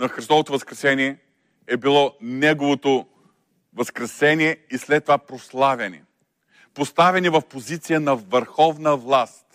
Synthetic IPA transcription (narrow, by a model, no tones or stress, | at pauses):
nɐxɾist̪ɔvot̪ovɐskɾɛsɛniɛ | ɛbilˠɔnɛɡovot̪o | vɐskɾɛsɛniɛislɛt̪ːovapɾoslˠavʲɐnḭ | post̪avɛnivɐfpozit̪sijənɐvɐɾxɔvnəvlˠast̪